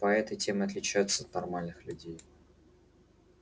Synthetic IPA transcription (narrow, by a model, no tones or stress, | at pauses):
pɐɛt̪əjtʲemɪɐt̪lʲɪt͡ɕæjʊt̪səːt̪nɐrmalʲnɨxlʲʉdʲej